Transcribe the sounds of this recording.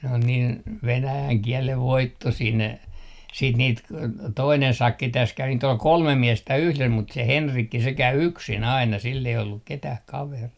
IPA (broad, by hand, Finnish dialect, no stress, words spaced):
n on niːn ʋenæjæŋ kiɛleʋ ʋoitːosiː ne siːt niːt k toinen sɑkːi tæs kæʋi niːt ol kolme miestæ yhles mut se henrikːi se kæy yksin ɑinɑ silː ei olːuk ketæh kɑʋeriː